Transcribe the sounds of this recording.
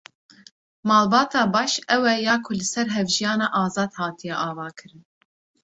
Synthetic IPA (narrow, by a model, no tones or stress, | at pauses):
mɑːlbɑːt̪ɑːbɑːʃɛwɛjɑːkʰʊlɨsɛɾɦɛvʒijɑːnɑːʔɑːzɑːd̪hɑːt̪ijɛʔɑːvɑːkʰɨɾɨn